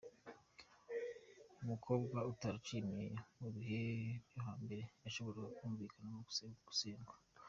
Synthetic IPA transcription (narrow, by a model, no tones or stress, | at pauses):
umukʰo̞ːbɡwautaɾut͡ʃimijomuβihebjoɦaːmbe̞ɾe̞aʃo̞βo̞ɾeɡakuːɱviːkanamoɡu̥sɡu̥seːŋɡḁ